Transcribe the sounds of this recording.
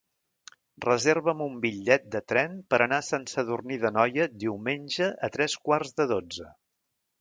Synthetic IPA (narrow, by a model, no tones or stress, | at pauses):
rəzeɾβəmumbiʎːɛt̪̚d̪ət̪ɾɛmpəɾənasensəðurniðənɔjəd̪iwmenʲʒəʔət̪ɾɛskwarzðəðod͡zə